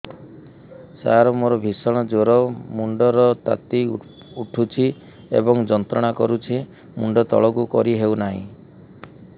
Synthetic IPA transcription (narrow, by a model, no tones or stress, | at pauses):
sa̰ɾɔmoɾɔbʱisɔɽ̃ɔd͡ʒoɾɔmuɳɖɔɾɔt̪a̰t̪i | uʈʰut͡ʃʰi | ḛbɔŋd͡ʒɔnt̪ɾɔɽ̃akɔɾut͡ʃʰi | muɳɖɔt̪ɔ̰ɭɔkukɔɾiɦewnaɦḭ̃